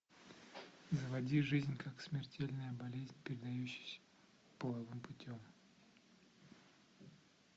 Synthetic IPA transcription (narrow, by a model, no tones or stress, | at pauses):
zəvɐdʲiʐɨzʲnʲkaksmʲɪrtʲelʲnəjəbɐlʲezʲnʲpʲɪɾʲɪd̪ɐjʉɕːɪjsʲə̥ | pəlˠɐvɨmpʊtʲom